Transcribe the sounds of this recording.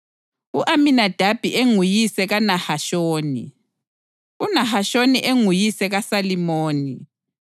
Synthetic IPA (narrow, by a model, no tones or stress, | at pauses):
uʔaminad̥ʱab̥ʱiʔeŋujisɛɣanahaʃoːnḭ | unahaʃoniʔeŋujisɛɣasalimoːni